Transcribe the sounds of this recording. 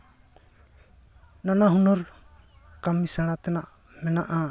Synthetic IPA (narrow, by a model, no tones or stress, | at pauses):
nanaɦunɔɾ | kamisaɽ̃at̪ɛnaʔ | mɛnaʔa